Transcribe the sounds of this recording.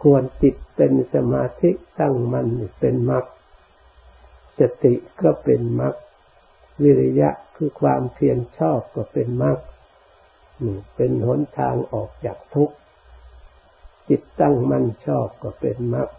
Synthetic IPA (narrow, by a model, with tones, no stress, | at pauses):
kʰu˧ənt͡ɕi˨˩t̪̚pe˧nsa˧maː˧t̪ʰi˦˥ʔt̪a˥˩ŋma˧˥˨nːi˧˩pe˧nma˦˥k̚ | sa˧t̪i˨˩ʔkɔː˥˩pe˧nma˦˥k̚ | wi˧ɾa˧ja̰˦˥ʔkʰɯː˧kʰwaː˧mpʰi˧ənt͡ɕʰɔː˥˩p̚kɔ˥˩pe˧nma˦˥k̚ | nɯː˧˩pe˧nho˩˦nt̪ʰaː˧ŋʔɔː˨˩k̚t͡ɕaː˨˩k̚t̪ʰu˦˥k̚ | t͡ɕi˨˩t̪ːa˥˩ŋma˧˩˨nt͡ɕʰɔː˥˩p̚kɔ˧˩pe˧nma˦˥k̚